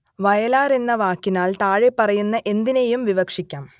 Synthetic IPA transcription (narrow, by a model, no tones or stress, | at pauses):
ʋɐjɐlaːrenːɐʋaːkːinaːlt̪aːɻepːɐrɐjunːɐʔe̞nd̪inejumʋiʋɐkʂikʲːaːm